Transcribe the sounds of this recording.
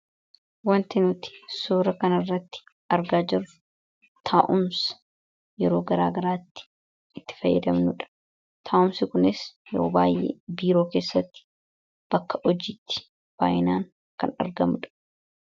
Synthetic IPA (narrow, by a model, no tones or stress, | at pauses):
wɐnt̪ɪnʊt̪ɪ̥suːɾɐkɐnɐrːɐt̪ːɪ̥ | ɐɾɡaːd͡ʒɪrʊ̥ | t̪ʰaːʔʊms | jɛɾo̞ːɡɐɾa̰ːɡɐɾaːt̪ːɪ̥ | ʔɪt̪ːɪ̥fɐjːɐ̰d̪ɐmnʊᶑɐ̥ | t̪ʰaːʔʊmsɪkʊnɪsjɛɾo̰ːba̰ːjːḛːbiːɾo̞ːke̞ːsːɐt̪ːɪ̥ | b̥ɐkːɐʔɔd͡ʒiːt̪ːɪ̥ | b̥a̰ːjɪnaːŋ | kɐnɐ̰ɾɡɐmʊᶑɐ̥